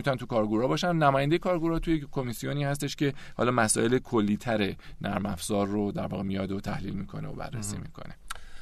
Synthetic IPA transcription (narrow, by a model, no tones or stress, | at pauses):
mit̪unænt̪ʰukʰɒːɾɡuɾɒbɒːʃænnæmɒːjænd̪eekʰɒːɾɡuɾɒːt̪ʰujekʰːomisijoniːhæs̬t̪e̞ʃce̞hɒ̰ːlɒːmæsɒ̰ːʔe̞lekʰolːiːt̪ʰæɾenʔæɾmæfz̥ɒːɾːod̪æɾvɒ̰ːɣemijɒd̪ot̪ʰæhliːlmiːkʰo̞neo̰bæ̰rːḛsḭːmḭːkʰo̞̰ne̞